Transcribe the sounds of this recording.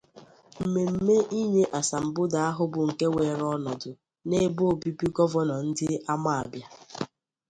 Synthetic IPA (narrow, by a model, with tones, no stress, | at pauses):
m̩˨me˨m̩˦me˦ʔi˦ɲe˦ʔa˨sa˨m̩˨bʊ˦da˨a˦ɦʊ˦bʊ˨ŋ̩˨ke˦we˨ɾɔ˦nɔ˨dʊ˨ | ne˦bo˦˨bi˦pi˦ɡɔ˦vɔ˦nɔ˨n̩˦dɪ˦a˦ma˦a˨bja˦